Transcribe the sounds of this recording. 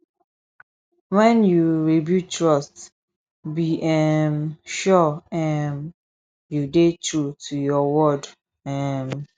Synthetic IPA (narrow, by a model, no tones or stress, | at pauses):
wɛ̃njuɹibjutɹɔst | biʔɛmʃɔɛm | judetɹutʰujɔwɔd | ɛm